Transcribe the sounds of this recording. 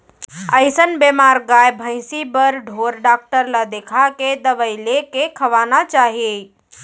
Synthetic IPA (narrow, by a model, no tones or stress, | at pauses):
əɪsənbemaɾɡajbʱə̃ɪsibəɾɖʱoɾɖak̚ʈəɾlad̪ekʰaked̪əʋəɪlekekʰəʋanat͡ʃaːɦie